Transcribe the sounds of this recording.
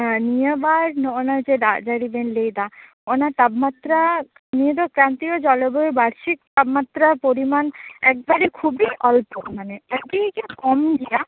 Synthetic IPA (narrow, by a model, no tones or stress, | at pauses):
nijebaɾnoonad͡ʑeɖad͡ʒaɽibenlejd̪a | onat̪abmat̪ɾakanied̪ɔkɾant̪iod͡ʒɔleboebaɾʃik̚t̪abmat̪ɾapoɾimanɛk̚baɾikʰubiʔɔlpomaneabikekɔmɡija